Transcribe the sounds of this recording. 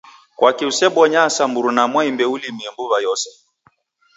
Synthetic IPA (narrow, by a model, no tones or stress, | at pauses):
kwakiusɛɓɔɲasamuɾunamwaimbɛulimiɛmbuβajɔsɛ̥